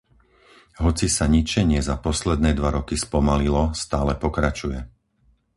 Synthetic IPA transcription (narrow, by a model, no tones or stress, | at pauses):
ɦɔt͡sisaɲit͡ʃɛɲɪɛzapɔslɛd̪nɛːd̪ʋaɾɔkispɔmalilɔst̪aːlɛpɔkɾat͡ʃujɛ